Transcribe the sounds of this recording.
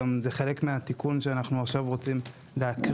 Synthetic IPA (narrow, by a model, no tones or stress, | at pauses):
mzeχe̞le̞kmeat̪ikunʃeanaχnuaχʃavʁo̞t͡sim | leak